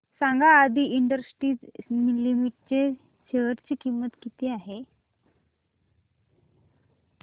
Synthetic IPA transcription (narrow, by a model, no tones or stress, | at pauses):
sãŋɡaːd̪ʱiʔiɳɖəɾsʈiːd͡zmilːimiʈ̚t͡ɕe | ɕʰeʋəɾt͡ɕiːkimːət̪kit̪iːaɦe